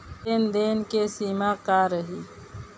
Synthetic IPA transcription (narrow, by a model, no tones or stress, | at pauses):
end̪eːnkesiːmaːkaːɾəɦiː